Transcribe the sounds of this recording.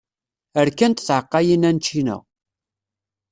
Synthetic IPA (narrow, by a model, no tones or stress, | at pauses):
əɾkænt̪θʕəqːɑjinænt͡ʃːinə̰ʁ